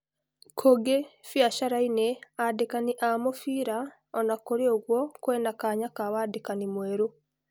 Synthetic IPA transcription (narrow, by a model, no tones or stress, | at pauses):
kʰoɡefjaʃaɾaineadekaniʔamofiːɾa | onakoɾeoɡwokwenakaːɲakaβadekanimweːɾo